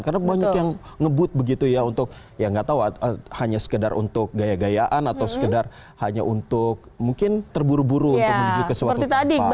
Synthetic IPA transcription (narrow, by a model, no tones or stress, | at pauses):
kanabaɲakkjaŋŋəbʊt̪̚bəɡit̪ujaunt̪ʊk̚ | jaŋɡat̪auaəhaɲasə̥kəda̰rṵnt̪ʊk̚ɡajaɡajaʔanat̪awsə̥kədar | haɲa̰ʔunt̪ʊk̚muŋkɪnt̪ərbuɾubuɾuːnʊməmud͡ʒikəsəwaəit̪adi